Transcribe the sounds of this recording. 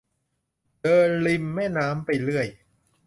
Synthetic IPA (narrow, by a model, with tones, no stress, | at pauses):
dɤː˧nli˧mːɛː˥˩naː˦˥mpa˧jlɯ˥˩əj